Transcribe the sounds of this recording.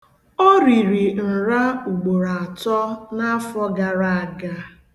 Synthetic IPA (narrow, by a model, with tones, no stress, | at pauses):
ɔ˦ɾi˨ɾi˨n̩˨ɾa˦u˨ɡ͡bo˨ɾa˨a˨tɔ˦na˦a˦fɔ˦ɡa˨ɾa˦a˨ɡa˦